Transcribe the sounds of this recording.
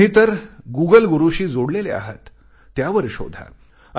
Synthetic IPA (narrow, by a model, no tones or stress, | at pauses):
it̪əɾɡuɡəlɡuɾuɕiːd͡zoɽlelea̰ɦət̪ː | jaʋəɾɕo̰d̪ʱa̰